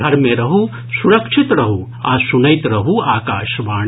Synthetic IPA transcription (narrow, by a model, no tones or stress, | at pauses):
ɐɾmẽɾɐɦu | suɾɐkʃʰit̪ɾɐɦu | asunɐjt̪ɾɐɦuaːkaːʃʋaː